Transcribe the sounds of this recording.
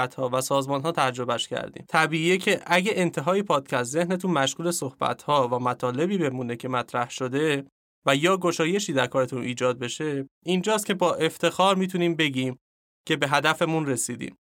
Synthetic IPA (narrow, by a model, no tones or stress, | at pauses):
t̪hɒːvæsɒːzmɒːnɦɒːt̪ʰæd͡ʒɾo̞bæʃcʰæ̰ɾd̪ḭmt̪ʰæbiːiːecʰe̞ʔæɟæʔent̪ʰe̞ɦɒːjepʰɒːd̪̥̚cʰæst̪ze̞hnet̪ʰunmæʃɣuːle̞sohb̥æ̰t̪ʰhɒːvæmæt̪ʰɒːle̞biːbe̞muːne̞cʰe̞mæt̪ʰɾæhʃod̪e̞ | væjɒːɡoʃɒːje̞ʃiːd̪æɾkʰɒːɾe̞t̪ʰunʔiːd͡ʒɒːd̪̚be̞ʃeind͡ʒɒːst̪̚cʰe̞bɒːʔe̞ft̪ʰe̞xɒːɾmiːt̪ʰuniːmbe̞ɡɟiːm | cʰe̞be̞ɦæd̪æfe̞munre̞siːd̪ḭːm